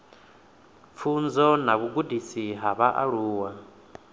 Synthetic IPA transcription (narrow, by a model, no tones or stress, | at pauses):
p̪fʰund͡zɔnaβuɡudisiɦaβaʔa̰ɺuːwa